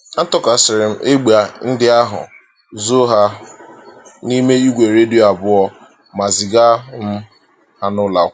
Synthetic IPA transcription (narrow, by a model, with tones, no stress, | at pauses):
a˦tɔ˦ka˨sɪ˨ɾɪ˨m̩˨ʔe˦ɡ͡ba˨n̩˦dɪ˦a˦ɦʊ̰˨ | zo˦ɦa˦ | ni˦me˦i˦ɡʷe˨ɾe˦di˦˨a˨bʊ˦ɔ˦ | ma˨zɪ˨ɡa˦m̩˦ | ha˦nʊ˦la˨˦